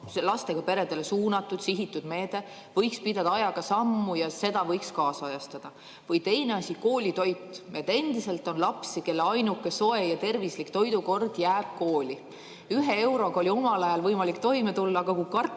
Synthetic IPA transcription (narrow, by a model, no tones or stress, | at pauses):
lɑst̪e̞ɡ̥ɑpe̞ɾe̞d̪̥e̞le̞suːnɑt̪ˑːud̪̥siɦit̪ːˑud̪̥me̞ːd̪̥e̞ | vɤjkspid̪ɑd̪̥ɑɑjɑɡ̥ɑsɑmːujɑse̞d̪ɑvɤ̞jkskɑːsɑjɑst̪ɑd̪̥ɑ | vɤjt̪e̞jne̞ɑsʲiko̞ːlʲit̪o̞jt̪ˑːe̞d̪e̞nd̪ise̞lt̪ˑo̞nlɑpsike̞lːeɑjnukːeso̞e̞jɑt̪e̞rvislikt̪o̞jd̪uko̞rd̪̥jæːb̥̚ko̞ːlʲi | yɦe̞e̞wɾo̞ɡ̥ɑolʲio̞mɑlɑjɑlvɤjmɑlikt̪o̞jmet̪ulːɑːɡ̥ɑkukɑr